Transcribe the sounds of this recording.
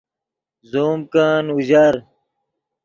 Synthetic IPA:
zoːmkaːnuʑɐɾ

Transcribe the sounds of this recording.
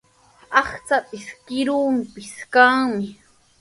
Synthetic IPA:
ɑχt͡sapʼɪskɪɾumpɪskaŋmɪ

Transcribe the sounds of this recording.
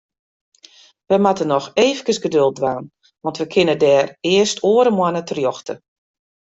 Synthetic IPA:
ʋəmatənɔxeːfəkəsɡədøl̚ˠdʋaːn | ʋɑntʋəkʰɪnədɛːrɪəstʰoəɾəmwanətərjɔxtʰə̰

